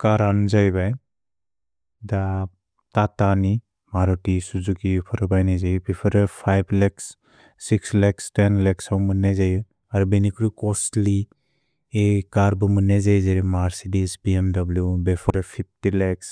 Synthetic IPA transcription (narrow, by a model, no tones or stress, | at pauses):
kaɾanzajbaj | da | tatani | maɾɔtisuzukipʰɔɾɯbajnajzajbepʰɔɾɯpʰajbleksː | ikslekstenleksawmɯnːajzajɯ | aɾubenikʰɾukɔsli | ekaɾbɯmɯnːajzajzaɾimaɾsidisbiemdɔbljubepʰɔɾapʰip̚ʰtileks